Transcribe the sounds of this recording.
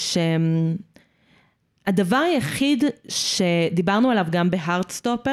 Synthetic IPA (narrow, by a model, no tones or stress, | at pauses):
ʃem | ad̪avaʁajaχidʃe̞d̪ibaʁnualavɡambe̞ɦaʁt̪st̪ope